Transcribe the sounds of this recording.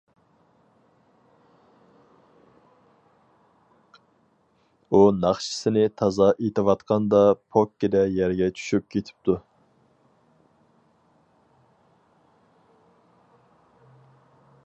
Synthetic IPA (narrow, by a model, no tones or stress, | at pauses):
unɑχʃi̥sɪnɪt̪ʰɑzɑʔet̪ʰɨwɑt̪qʰɑnd̪ɑpʰokʲːid̪ɛjæɾɡʲɛt͡ʃʰy̥ʃyp̚kʲʰet̪ʰɪ̥p̚t̪ʰu